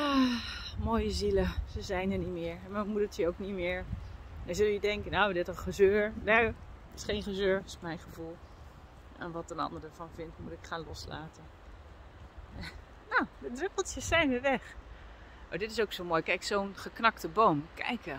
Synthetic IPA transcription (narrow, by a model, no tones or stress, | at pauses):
amoːjəziləzəzɛjnənitmɪːɹmamutətʰjəowknitmɪːɹnazɵlˠjədɛŋkənowdɪtənχəzøːɹnatɪ̥sχejnχəzøːɹɪsmɛjnχəvulˠ | ɛ̰nʋɑtənɑ̰ndəɹdəɹvɑnvɪntmutɪkχaːnlɔsla̰ːtən | nowdədrøpəlˠtjəsːɛjnʋəʋɛχ | o̰ːdɪtɪsowksowmoːjkɛjksownχəknɑktəbowmkɛ̰jkə